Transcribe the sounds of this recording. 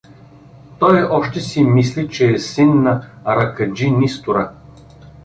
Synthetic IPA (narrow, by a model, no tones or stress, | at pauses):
t̪ɔjɔʃt̪ɛsimislit͡ʃɛːsinːɐɾɐkɐd͡ʒinist̪ʊɾa